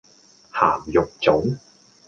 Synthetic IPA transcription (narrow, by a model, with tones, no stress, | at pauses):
haː˨˩mjʊ˨k̚t͡sʊ˨˥ŋ